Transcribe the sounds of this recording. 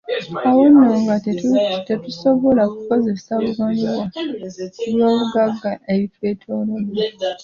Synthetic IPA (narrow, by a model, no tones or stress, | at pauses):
awo̞nːoːŋɡatetuso̞βo̞lakuko̞ze̞saβuɡaniβwa | uljo̞ːβuɡaɡːaʔeβitwe̞ːtʰoːlena